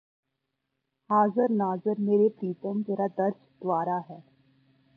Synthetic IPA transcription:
haːzəɾnaːzəɾmeːɾepɾiːt̪ə̃md͡ʒeːɾad̪ɐɾd͡ʒd̪̥ʋaːɾaɦɛː

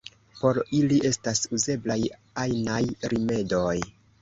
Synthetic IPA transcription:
po̞ɾiliʔe̞stasuze̞blaj | ajnajɾime̞do̞j

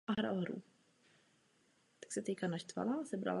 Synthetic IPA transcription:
aɦɾa̰ɦɾṵ | t̪ḁksɛt̪ɛjkanaʃt̪va̰lazɛbɾa̰la

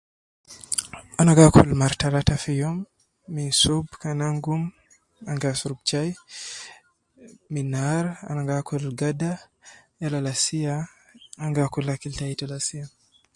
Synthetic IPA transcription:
anaɡakʰulmaɾtalatafijɔmː | insubkanaŋɡum | aŋɡasuɾub̚t͡ʃaj | minaɾa̰naŋɡakʰulɡada | jalalasiaː | ŋɡakulakiltaitalasija

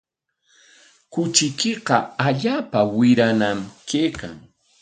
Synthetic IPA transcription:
kʊt͡ʃɪkɪqɑaʎaːpawɪɾanamkeːka̰ŋ

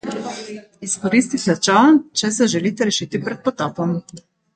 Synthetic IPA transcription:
iskoɾist̪isɛt͡ʃant͡ʃɛsɛʒɛlit̪ɛɾɛʃit̪ipɾɛt̪̚pot̪ɔpɔm

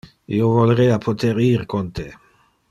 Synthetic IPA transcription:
ḭovolɾejapʰot̪eɾiɾkont̪e

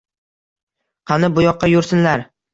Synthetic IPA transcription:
qʰɑnɪbʊjɒqʰːɑjʊɾsɪnlaɾ

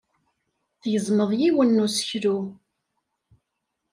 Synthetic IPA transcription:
θjəzˤməðˤjiwənːusə̥çɾu

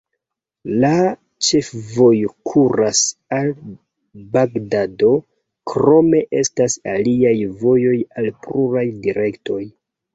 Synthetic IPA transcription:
la | t͡ʃe̞fvo̞jukʰuɾasal | baɡdado̞ | kɾo̞me̞ʔe̞stasa̰liajvo̞jo̞jalpluɾajdiɾe̞kto̞j

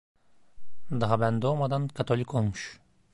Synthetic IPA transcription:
d̪ɑɦɑbænd̪omad̪ɑnkat̪olʲikolˠmuʃ

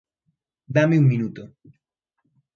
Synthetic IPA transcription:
d̪ameuŋmĩnut̪o

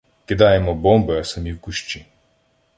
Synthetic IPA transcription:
kid̪aːjɛmɔbɔmbɔasɐmiwkuʃt͡ʃi

